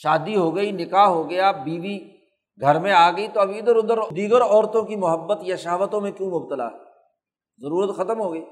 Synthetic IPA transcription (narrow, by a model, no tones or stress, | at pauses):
ʃaːd̪iɦoɡɐinɪkaːɦɦoɡɐjabiːʋi | ɡʱɐɾmẽaːɡɐit̪oɐbɪd̪əɾʊ̃nd̪əɾd̪iːɡəɾɔːɾt̪õkimʊɦəbːət̪jaʃɐɦʋət̪õmẽkjũːmʊb̚t̪əla̰ɦɛː | zɐɾuːɾət̪xɐt̪əmɦoːɡɐiː